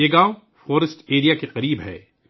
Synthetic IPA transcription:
eɡaːo | foːɾɪsʈeːɾijakeqɐɾiːbɦɛ̰ː

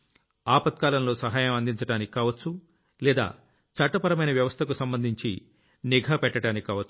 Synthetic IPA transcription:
aːpɐt̪̚kaːlɐmlo̞ːsɐɦaːjɐmɐnd̪iɲt͡ʃɐʈaːnikikaːʋɐt͡ʃːu | lɛːd̪a̰ː | t͡ʃɐʈːɐpɐɾɐmɐjnɐʋjɐʋɐst̪ʰɐkusɐmbɐnd̪ʱiɲt͡ʃḭ | niɡʱɐpɛʈːɐʈaːnikikaːʋɐt͡ʃːu̥

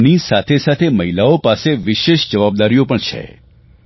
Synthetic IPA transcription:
nisat̪ʰesat̪ʰeməɦilaopaseʋɪʃeʃd͡ʒəʋab̚d̪aɾijopəɳt͡ʃʰḛ

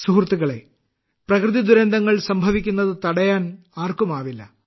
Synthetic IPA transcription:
suɦrt̪ːuɣɐɭe̞̰ | prɐkrɨðid̪uɾɐnd̪ʱɐŋːɐɭsɐmbʱɐʋikʲːunːɐðɨt̪ɐɽɐjaːn | aːrkumaːʋilːɐ̰

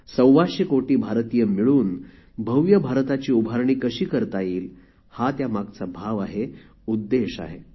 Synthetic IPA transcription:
sə̃w̃ʋaɕəkoʈiːbʱaɾt̪ijəmiɭuːn | bʱəwjəbʱaɾt̪at͡ɕiːubʱaɾɳiːkəɕiːkəɾt̪ajiːl | hat̪jamaɡ̚t͡sabʱaʋaɦe | ud̪ːeɕa̰ɦe

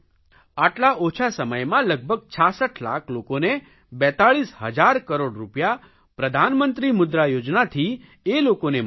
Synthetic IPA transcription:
aʈlaʔot͡ʃʰasəməjmãləɡ̚bʱəɡ̚t͡ʃʰasəʈʰla̰kʰlokone | bɛt̪aɭisɦə̰d͡ʒaɾkəɾoɽɾupja | pɾəd̪ʱanmənt̪ɾimʊd̪ɾajod͡ʒnat̪ʰi | elokone

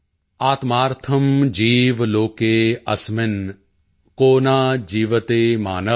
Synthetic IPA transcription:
aːt̪maːɾt̪ʰɐmd͡ʒiːʋloːkeːɐ̰smɪn | koːnaːd͡ʒiːʋɐt̪eːma̰ːnɐ

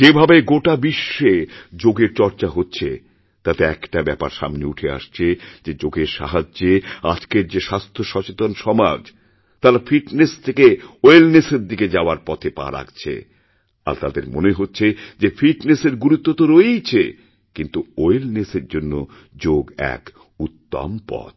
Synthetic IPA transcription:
d͡ʑebʱabeɡoʈabiʃːed͡ʑoɡeɾt͡ɕɔɾt͡ɕaɦotːɕʰe | t̪at̪eɛkʈabɛpa̰ɾʃa̰mniuʈʰea̰ʃt͡ɕʰed͡ʑed͡ʑoɡeɾʃa̰ɦad͡ʑea̰d͡ʑkeɾd͡ʑeʃast̪ʰoʃɔt͡ɕet̪onʃɔmad͡ʑ | t̪aɾafiʈnest̪ʰekeoelneseɾd̪iked͡ʑaoaɾpɔt̪ʰepa̰ɾa̰kt͡ɕʰḛ | a̰ɾt̪ad̪eɾmoneɦotːɕʰed͡ʑefiʈneseɾɡuɾut̪ːot̪oɾoejt͡ɕʰe | kint̪uoelneseɾd͡ʑonːo | d͡ʑoɡɛ̰k | ut̪ːa̰mpɔ̰d̪

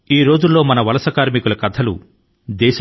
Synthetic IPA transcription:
iːɾo̞ːd͡ʒulːoːmɐnɐʋɐlɐsɐkaːɾmikulɐkɐt̪ʰɐlṵ | d̪ɛːʃɐ

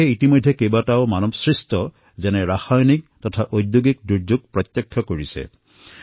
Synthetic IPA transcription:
ɛitimojdʱːɛkejbataʊmanɔbsɹistɔ | zɛnɛɹaxajnik̚tɔtʰaʔojdjuɡik̚duɹd͡ʒuɡ̚pɹɔtjɛkʰːjɔkoɹisɛ̰

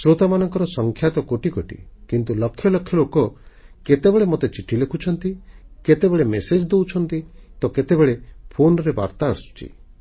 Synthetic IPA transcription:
sɾot̪amanɔŋkɔɾɔsɔŋkʰjat̪ɔkoʈikoʈḭkint̪ulɔkʰːjɔlɔkʰːjɔlokɔket̪ebeɭemot̪et͡ʃiʈʰːilekʰut͡ʃʰɔnt̪iket̪ebeɭemesed͡ʒd̪ewt͡ʃʰɔnt̪it̪ɔket̪ebeɭepʰonɾeba̰ɾt̪aɔɾsu̥t͡ʃʰḭ

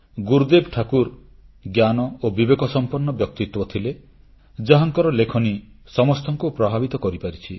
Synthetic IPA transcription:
ɡuɾd̪ebʈʰakuɾ | ɡjanɔobibekɔsɔmpɔnːɔbjɔk̚t̪it̪wɔt̪ʰile | d͡ʒaɦaŋkɔɾɔlekʰɔni | sɔmɔst̪ʰɔŋkupɾɔbʱabit̪ɔkɔɾipaɾit͡ʃʰi

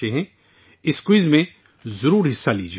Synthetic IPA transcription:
eɦɛ̃ | ɪskwiːzmẽ | zɐɾuːɾɦɪsːalḭːd͡ʒ

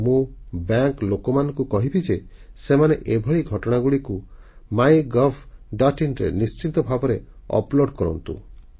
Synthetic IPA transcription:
mũbaŋklokɔmanɔŋkukɔɦibid͡ʒe | semaneʔebʱɔɭiɡʱɔʈɔɽ̃aɡuɭikumajɡɔpʰɖaʈinɾḛnist͡ʃit̪ɔbʱabɔɾeɔ̰ploɽɖkɔɾɔ̰nt̪ṵ

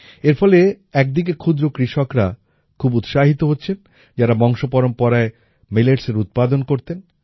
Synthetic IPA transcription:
eɾfʰɔle | ɛk̚d̪ik̬ekʰud̪ɾokɾiʃokɾa | kʰubut̪ʃaɦit̪oɦotːɕʰen | d͡ʑaɾabɔŋʃopɔɾompɔɾae | meleɾseɾut̪̚pad̪onkoɾt̪en

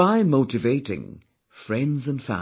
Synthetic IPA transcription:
aɪmoʊtɨveɪɾɪ̰̃ŋ | fɹɛ̃ndzə̃nfæ̰̃

